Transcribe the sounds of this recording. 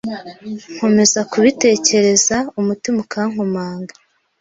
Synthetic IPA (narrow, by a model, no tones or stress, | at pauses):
ŋ̥ho̞me̞zakuβite̞ːce̞ɾe̞zaumutimokʰaːŋomaːŋɡḁ